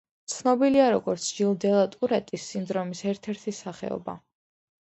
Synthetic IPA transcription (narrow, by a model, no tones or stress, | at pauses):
t̪sʰnɔbiliaɾɔɡɔɾt̪sʰd͡ʒilˠd̪ɛlˠat̪ʼuɾɛt̪ʼisːind̪ɾɔmisɛɾt̪ʰɛɾt̪ʰisaχɛ̰ɔ̰ba̰